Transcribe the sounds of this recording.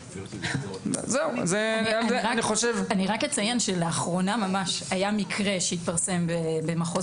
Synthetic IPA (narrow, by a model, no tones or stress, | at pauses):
zeuzeazeaniχoʃevaniʁakjet͡sajenʃeleaχʁo̞namamaʃajamikʰʁeʃeit̪̚paʁse̞mbebemaχo